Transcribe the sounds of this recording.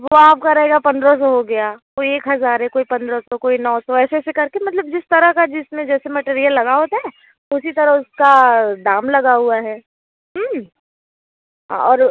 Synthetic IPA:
ʋoaːp̚kaɾɐɦeːɡapɐ̃nd̪ɾɔ̃s̬ɔɦoɡɐjakoːieːkɦɐzaːɾɦɛkoːipɐ̃nd̪ɾɔsɔkoːinɔːsɔɛːsesekɐɾkemɐt̪ləb̚d͡ʒɪst̪ɐɾəɦkad͡ʒɪsmẽd͡ʒɛːsemɐʈeːɾijəlːɐɡaɦoːt̪aɦɛ | ʊsit̪ɐɾəɦʊskaɖaːmlɐɡaɦuaɦɛː | ɦm | ɦa̰ɔːɾ

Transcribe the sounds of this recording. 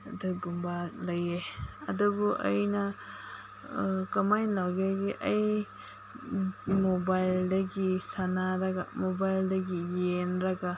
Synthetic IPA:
dɐɡumbalɐjeɐdɔbuʔɐ̰jna | kɐmajlawɡeɡiʔɐj | mobajldɐɡisanaɾaɡamobajldɐɡijenɾaɡa

